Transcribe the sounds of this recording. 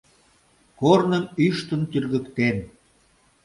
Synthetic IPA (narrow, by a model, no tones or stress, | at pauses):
kornənyʃt̪ə̆nt̪yrɣə̆kt̪en